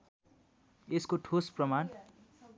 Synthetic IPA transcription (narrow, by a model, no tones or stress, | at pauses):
eskoʈʰosprʌman